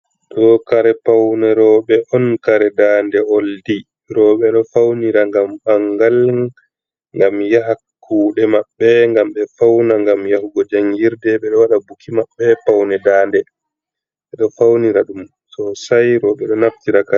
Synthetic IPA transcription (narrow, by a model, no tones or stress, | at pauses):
ɗɔkaɾɛpawnɛɾɔɓɛʔɔnkaɾɛdaːndɛoldi | ɾɔɓɛɗɔfawniɾaŋɡambaŋɡal | ŋɡamjaɦakʰː | uːɗɛmaɓːɛŋɡamɓɛfawnaŋɡamjahuɡɔd͡ʒaŋɡiɾdɛɓɛɗɔwaɗabukʰimaɓːɛpawnɛdaːndɛ | ɓɛɗɔfawniɾaɗum | tɔsajɾɔɓɛɗɔnaftiɾaka